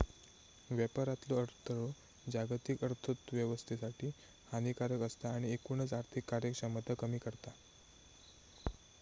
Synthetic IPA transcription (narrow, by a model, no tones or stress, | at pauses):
ʋjɛpaɾat̪loəɾt̪ʰəɾo | d͡ʑaɡt̪ikəɾt̪ʰət̪ʋjəʋəst̪ʰesaʈʰiː | hanikaɾəkəst̪aːɽ̃iekunət͡saɾt̪ʰikːaɾjəkʂamət̪akəmiːkəɾt̪a